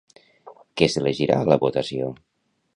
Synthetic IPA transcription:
kɛsələʒiɾa̰ləβot̪əsio

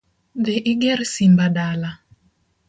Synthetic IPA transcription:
ðɪʔɪɡɛɾsimbaɗala

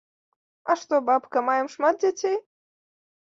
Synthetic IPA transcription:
ɐʂt̪ɔbapkɐmajɛmʂmat̪̚d͡zʲat͡sʲej

